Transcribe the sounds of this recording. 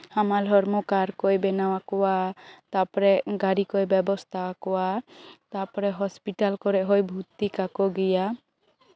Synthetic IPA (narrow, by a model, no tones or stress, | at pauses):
amalʱɔɾmɔkaɾkɔjbɛnawakɔwat̪apɔɾɛɡaɾikɔjbɛbɔst̪ʰakɔwat̪apɔɾɛɦɔspiʈalkɔɾɛʔɦɔjbʱut̪ikakɔɡɛja